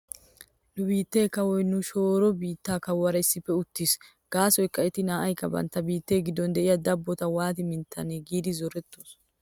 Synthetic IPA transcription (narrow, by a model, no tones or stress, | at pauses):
nʊbiːt̪ːe̞ːkɐwɔjnʊʃo̞ːɾɔbiːt̪ːaːkɐwɐɾɐɪsːɪpːɛʊt̪ːis | ɡ̥aːsɔjkːɐɛt̪ɪnaːʔɐjkːɐbɐ̰nt̪ːɐbiːt̪ːe̞ːɡɪd̪ːɔnd̪ɛʔɪjɐd̪ɐbːɔt̪ɐwaːt̪ɪmɪnt̪ʰːɐneɡiːd̪ɪzɔɾɛt̪ːoːs